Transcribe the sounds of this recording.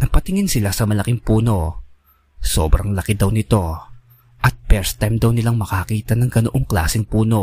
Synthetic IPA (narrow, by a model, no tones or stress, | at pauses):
nɐpɐt̪ɪŋɪnsɪlasɐmɐlɐkɪŋpuːno̞ | so̞̰ːbɾɐŋlɐkɪd̪ɐwnɪt̪o̞ | ʔɐt̪̚pɛɹst̪ajmd̪ɐwnɪlaŋmɐkɐkiːt̪ɐnɐŋɡɐnoʔoŋkla̰ːsɪŋpuːno̞